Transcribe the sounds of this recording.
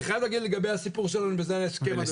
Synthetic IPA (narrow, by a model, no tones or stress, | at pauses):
eχajad̪laɡid̪leɡabejhasipuʁʃelanubezeaeskema